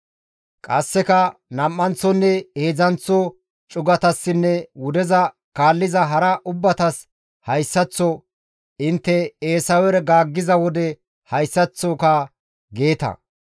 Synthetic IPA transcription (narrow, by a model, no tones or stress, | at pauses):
kʼɐsːɛkɐnɐmːɐnt͡sːɔnːɛe̞ːzɐnt͡sːɔ | t͡ʃʼʊɡɐt̪ɐsːɪnːɛwʊd̪ɛzɐ | kaːlːɪzɐɦɐɾɐʔʊbːɐt̪ɐs | hɐjsːɐt͡sːɔ | ɪnt̪ːɛeːsɐwɛɾɛɡaːɡːɪzɐwɔd̪ɛ | hɐjsːɐt͡sːɔkɐ | ɡe̞ːt̪ɐ̰